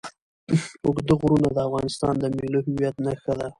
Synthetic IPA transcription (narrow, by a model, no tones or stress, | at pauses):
ʊɡd̪əɣɾunad̪əafɣɑnɪst̪ɑ̰nd̪əmiloɦɪwjat̪naxəd̪a